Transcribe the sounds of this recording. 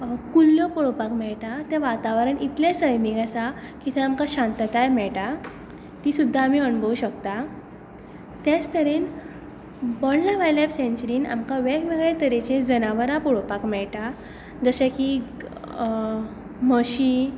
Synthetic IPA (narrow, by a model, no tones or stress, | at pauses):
kulːjopɔɽopakmɛɭʈat̪ɛ̃ʋat̪aʋɾəɳit̪lẽsəjmiɡasakit̪ʰɛamkaɕãnt̪ət̪ajmɛɭʈa | t̪isud̪ʱːaːmiənbəuɕəkt̪a | t̪jat͡st̪əɾiːn | bɔɽlaʋajlabsẽnt͡ɕɾiːna̰mkaʋɛkmeɡɭet̪əɾet͡ɕẽd͡zənaʋəɾapɔɽopakmɛɭʈa | d͡zəɕeki | məɕi